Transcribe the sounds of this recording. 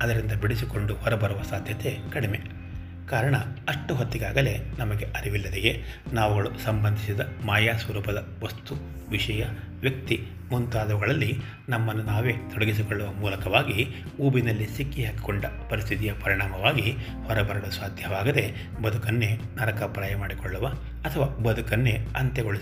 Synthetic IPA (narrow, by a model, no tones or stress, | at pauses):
ɐd̪ɐɾind̪ɐbiɽis̬iko̞ɳɖuhɔɾɐbɐɾuʋɐsaːd̪ʱjɐt̪e̞kɐɽime̞ | kaːɾɐɳɐɐʂʈuɦot̪ːiɡaːɡɐle̞nɐmɐɡe̞ʔɐɾiʋilːɐd̪ejenaːʋuɡɐɭusɐmbɐnd̪ʱisid̪ɐmaːjaːsʋɐɾuːpɐd̪ɐ | ʋɐst̪u | ʋiʂɐjɐʋjɐk̚t̪i | munt̪aːd̪ɐʋɐɡɐɭɐlːi | nɐmːɐnːunaːʋe̞ːt̪ɔɽɐɡis̬ikɔɭːɐʋɐmuːlɐkɐʋaːɡi | uːbinɐlːisikːiɦaːki̥kɔɳɖɐpɐɾist̪ʰit̪ijɐpɐɾiɳaːmɐʋaːɡi | hɔɾɐbɐɾɐɡɐɭɐsʋaːd̪ʱjɐʋaːɡɐd̪e̞ | bɐd̪ʱukɐnːe̞ | naɾɐkɐpɾaːjɐmaːɽikɔɭːuʋɐː | t̪ʰɐʋaːbɐd̪ʱukɐnːe̞ɐnt̪ɛɡoɭis